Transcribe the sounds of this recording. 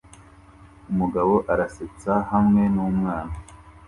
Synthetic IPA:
umuɡaβo̞ʔaɾaset͡sahamŋe̞nuːmŋaːna

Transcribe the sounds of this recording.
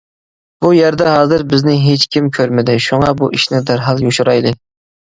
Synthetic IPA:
b̥ujæɾd̪ɛhɑːzɨɾbɪznɪɦet͡ʃkʲʰimkʲʰøɾmɪd̪ɪʃuŋɑbuʔiʃnɪd̪æɾɦɑlˠjoʃuɾɑjd̪ɨ

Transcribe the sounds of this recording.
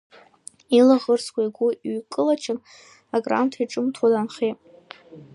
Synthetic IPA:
ilaʁərskʷʰaiɡʷuiɥkʼɨlat͡ʃʰan | aɡra̰ntʰaiʈ͡ʂʼɨmtʰwadanχejtʼ

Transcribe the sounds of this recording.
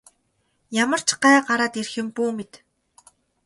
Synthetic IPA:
jamə̆r̥t͡ɕɢaːɢaɾaːt̪erxɪ̆mpuːmit̪

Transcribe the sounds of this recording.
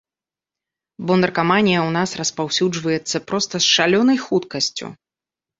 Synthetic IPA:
bɔnd̪ɛrkamanʲijɐwnasrɐspawsʲud͡ʐvɐjɛt̪sːɐpɾɔst̪ɐsʂalʲɔnɐjxut̪kɐsʲt͡sʲṵ

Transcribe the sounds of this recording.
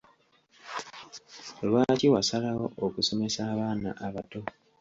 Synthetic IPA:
olwaciwasalawookuso̞me̞saːβaːna̰ʔaβato̞

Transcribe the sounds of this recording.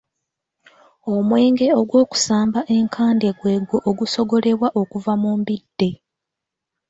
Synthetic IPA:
o̞mwe̞ːŋɡe̞o̞ɡwoːku̥saːmbaʔe̞ŋkʰaːnde̞ɡwe̞ːɡoʔoɡuso̞ɡo̞le̞βwaʔo̞kuvamuːmbidːe̞

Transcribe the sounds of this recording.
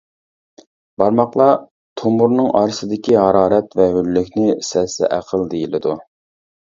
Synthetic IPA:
b̥ɑɾmɑqlˠɑ | t̪ʰomuɾnɨŋʔɑɾsɨd̪ɪkʲiɦɑɾɑːɾɛt̪vɛɦylːykʲnɪsɛsɛ̰ʔæqʰəlˠd̪ejilɪd̪u

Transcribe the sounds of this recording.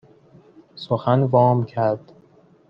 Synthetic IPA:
soxænvɒːmcʰæɾd̪̥

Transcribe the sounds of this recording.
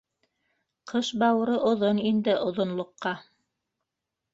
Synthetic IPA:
qʰɤʃbɑwɾɤʔŏðonind̪ɘʔŏðŏnlˠŏqːɑ

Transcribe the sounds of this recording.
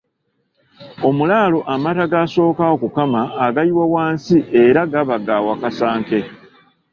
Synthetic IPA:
o̞mulaːlo̞ʔamataɡaso̞ːkaokukamaːɡaiwawaːnsiʔe̞ɾaɡaβaɡawakasaːŋke̞

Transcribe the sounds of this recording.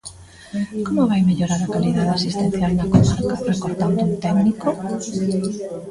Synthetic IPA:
komʊβajmeʎoɾaɾakaliðaðɪasist̪ẽn̟θjalnɐkomaɾkɐrekoɾt̪and̪ʊunt̪ɛɡniko

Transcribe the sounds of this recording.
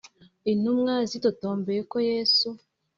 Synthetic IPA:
inumŋazitotoːmbeɾekojesu

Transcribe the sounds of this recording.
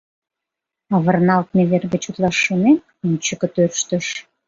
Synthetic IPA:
ɑβərnɑlt̪̚meβerɣə̆t͡ɕut̪lɑʃːonem | unt͡ɕə̆kə̆t̪ørʃt̪ə̆ʃ

